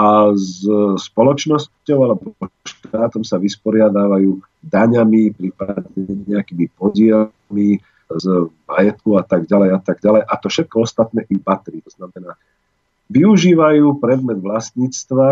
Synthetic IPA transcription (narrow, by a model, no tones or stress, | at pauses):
azspɔlɔt͡ʃnɔs | ɔʊalɛbɔɔʃt̪aːt̪ɔmsaʋispɔɾɪad̪aːʋajuː | d̪aɲamipɾipad̪ɲɛɲɛakiːmipɔɟɪɛ | mi | zma̰jɛt̪kɔʊat̪aɡɟalɛjat̪aɡɟalɛjʔat̪ɔfʃɛt̪̚kɔɔst̪at̪nɛːʔibat̪ɾiːt̪ɔznamɛnaː | ʋiuʒiːʋajuːpɾɛd̪mɛd̪ʋlast̪ɲiːt͡st̪ʋa